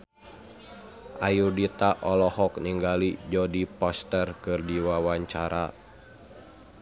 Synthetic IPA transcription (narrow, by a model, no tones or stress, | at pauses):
ʔajudit̪aʔɔlɔhɔk̚niŋɡalid͡ʒɔdipɔst̪ərkɨrdiwawaɲt͡ʃaɾa̰